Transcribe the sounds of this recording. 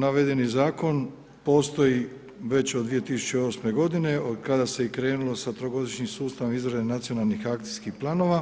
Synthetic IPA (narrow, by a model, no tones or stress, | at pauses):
naʋed̪enizaːko̞n | po̞ːst̪o̞ji | ʋe̞t͡ɕod̪d̪ʋije̞t̪isu̥t͡ɕeo̞ːsme̞ɡo̞d̪ine̞od̪kad̪ase̞ikɾe̞ːnulo̞sat̪ɾo̞ɡo̞d̪iʃɲimsuːst̪aʋomizɾed̪enat̪sio̞nalˠnixak̚t̪iskixplˠaːno̞ʋa